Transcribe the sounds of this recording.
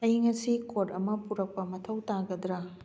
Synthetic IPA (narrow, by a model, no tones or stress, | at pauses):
ɐjiŋɐsikoʈɐmɐpuɾɐk̚pɐmɐtʰɐwtaɡɐd̪ɾɐ